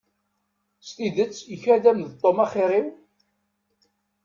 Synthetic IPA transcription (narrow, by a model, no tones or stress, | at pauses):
st̪iðət͡sːəçæðæmðt̪ˤːomɑχɪɾiw